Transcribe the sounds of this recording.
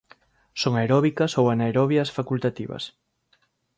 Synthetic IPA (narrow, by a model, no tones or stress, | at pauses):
soŋaeɾɔβikɐsowanaeɾɔβjɐsfakult̪at̪iβɐ̰s